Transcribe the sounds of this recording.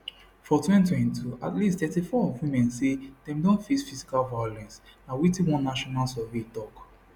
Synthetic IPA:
fɔtʰwɛ̃nt̬wɛ̃ntʰua̰tlisttɛtifɔwimɛ̃nsedɛ̃mdɔ̃nfisfisi̥kalvajɔlɛ̃nsnawitĩwɔ̃nːaʃɔnalsɛvetɔk

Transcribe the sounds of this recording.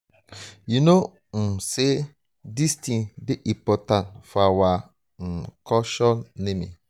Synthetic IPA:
juno | se | distĩnbeʔĩpɔtãntfɔawa | kɔʃɔnẽmḭ̃

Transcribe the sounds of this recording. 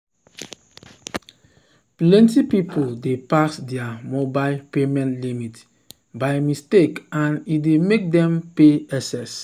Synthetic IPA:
plɛ̃ntipipuldepasdɛamobaɪpemɛ̃ntlimit | bajmistekãnidemek̚dɛ̃mpeɛsɛs

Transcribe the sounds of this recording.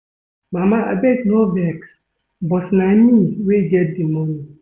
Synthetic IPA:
mamaʔa̰betnɔvɛks | bɔtnamĩweɡɛt̚dimɔ̃ni

